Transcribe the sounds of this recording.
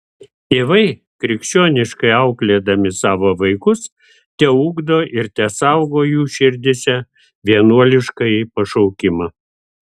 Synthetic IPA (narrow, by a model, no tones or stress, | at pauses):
t̪ʲeːʋɐɪ | kɾʲɪkʃʲt͡ʃʲoːnʲɪʃkɐɪɐʊklʲeːd̪ɐmʲɪsɑːʋoːʋɐɪkʊs | t̪ʲɛuːɡd̪oːʔɪɾt̪ʲɛsɐʊɡoːjuːʃʲɪɾʲd̪ʲɪsʲɛ | ʋʲiɛnuɔlʲɪʃkɐɪpɐʃɐʊkʲɪmɐ